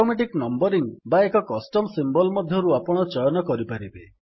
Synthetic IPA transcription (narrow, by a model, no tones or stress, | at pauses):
omeʈ̬iknɔmbɔɾiŋbaekɔkɔsʈɔmsimbɔlmɔd̪ʱjɔɾuapɔɽ̃ɔt͡ʃɔjɔnɔkɔɾipaɾibe